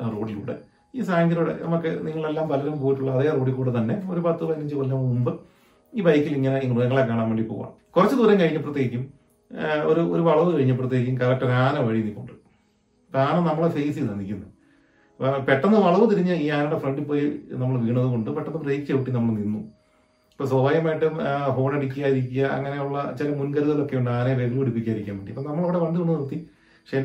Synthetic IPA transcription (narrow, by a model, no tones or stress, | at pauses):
ro̞ːɽilṵːɽḛ | iːsaːŋɡɐɾuɽḛnɐ̰mukːɨniŋːɐɭe̞lːaːmʋɐlɐɾumpoːjiʈːuɭːɐːðijaro̞ːɽikːuːɽet̪ɐnːe̞o̞ɾubaːt̪ːɨʋɐjniɲd͡ʑɨʋɐlːaːmumbɨ | iːbɐjkːiliŋːɐne̞iŋːɐniŋɐɭekːaːɳaːnʋeːɳɖipːo̰ːɐa̰ːɳkurɐt͡ɕːɨd̪uʋɐɾɐmkɐɻiɲːɐp̬ːrɐt̪jeːɡikʲːum | o̰ɾuoɾuʋɐɭɐʋɨkɐɻiɲːɐp̬ːrɐt̪̬ːjeːik̬ʲːumkɐɾɐk̚ʈːɐkaːnɐmʋɐɻijnikʲːuɳɖɨ | paːnɐmnɐmːɐɭefejsiðɐnːikʲːunːɐ | peʈːɐnːɐʋɐɭɐʋɨt̪iɾiɲːɐiːɲaːnɐɽefreɳɖipːoːjinɐmːɐɭʋiːɳɐðɨko̞ɳɖɨpeʈːɐnːɨprɐejt͡ɕeːʋiʈːinɐmːɐɭninːu | ɐpːosoːbaːjɐmaːjiʈːɨɦo̞ːɳeɽikʲːujaːjiɾikʲːujɐɐ̰ŋːɐne̞uɭːɐt͡ɕilɐmunkɐɾuðɐlo̞kːe̞juɳɖɨaːnɐʋeɡlupuɽipːikʲːaːiɾikʲːaːnʋeɳɖiɐpːoːnɐmːɐɭoʋɽeʋɐɳɖɨuɳːɐnirt̪ːi | ʂe